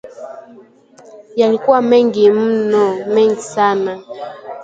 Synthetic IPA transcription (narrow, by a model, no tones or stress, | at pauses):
jalikuwamɛŋɡim̩nɔmɛŋɡisana